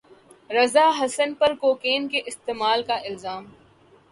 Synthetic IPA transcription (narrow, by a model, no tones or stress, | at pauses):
ɾɐzaːɦɐsənpɐɾkoːkeːnkeʔɪst̪eːmaːlkaʔɪlzaːm